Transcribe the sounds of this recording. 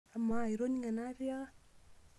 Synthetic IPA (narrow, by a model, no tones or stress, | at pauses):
amaiɾoniŋanavia